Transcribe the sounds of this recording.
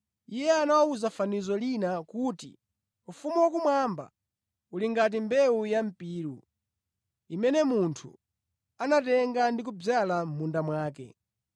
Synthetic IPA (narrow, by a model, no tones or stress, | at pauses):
ijɛanawauzafanizɔlinakuːtḭ | ufumuwakumwamba̰ | uliŋɡat̬imbɛujam̩piːɾṵ | imɛnɛmuntʰṵ | anatɛŋɡandik̬ub͡ʐalam̩mundamwaːkɛ̰